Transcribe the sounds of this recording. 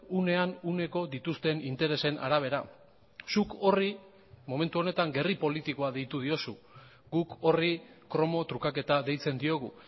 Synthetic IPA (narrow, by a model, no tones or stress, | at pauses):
une̞anune̞ko̞d̪it̪ust̪e̞nint̪e̞ɾe̞se̞nʔa̰ɾaβ̞e̞ɾa | suko̞ri | mo̞me̞nt̪uo̞ne̞t̪aŋɡe̞ripo̞lit̪iko̞aðe̞jt̪uð̞io̞su | ɡuko̞rikɾo̞mo̞t̪ɾukake̞t̪aðe̞jt͡se̞nd̪io̞ɣ̞u